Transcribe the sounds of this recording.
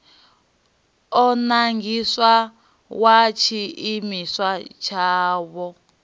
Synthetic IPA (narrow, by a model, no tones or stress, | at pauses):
ɔnaŋɡiswa | wat͡ʃʰiimiswat͡ʃʰaːβɔ